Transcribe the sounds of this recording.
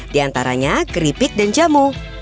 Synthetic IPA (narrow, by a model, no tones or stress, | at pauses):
diant̪aɾa̰ɲaɡɾipɪk̚dand͡ʒamu